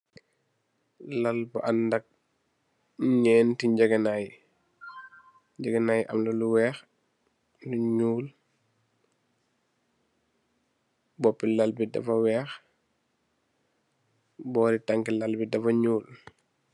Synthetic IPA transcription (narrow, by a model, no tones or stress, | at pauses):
lalbaʔandɐk̚ | ɲɛːntiɲɟɛɡɐnaji | ɲd͡ʒɛɡɐnaːjiʔɐmlɔluwɛːx | luɲuːl | bɔpːilalbidɐ̰fɐwɛːx | bɔːɾitaŋkilalbidɐfɐɲuːl